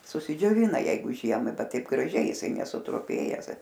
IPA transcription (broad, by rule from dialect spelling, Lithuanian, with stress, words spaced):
sʊsʲɪd͡ʒʲoːˈʋʲɪnɐ ˈjɛɪɡʊ ˈʒʲiɛmɐɪ ˈbʲɛt ˈtɐɪp ɡrɐˈʒʲɛɪ jɪˈsɐɪ nʲɛsʊtrʊˈpʲeːjɛs